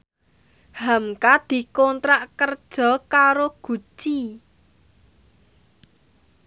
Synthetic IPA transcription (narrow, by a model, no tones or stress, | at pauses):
hamkad̪̥i̤kɔnt̪ɾaʔkərd̥ʒ̥ɔ̤kaɾoɡ̥ṳ̥t͡ʃi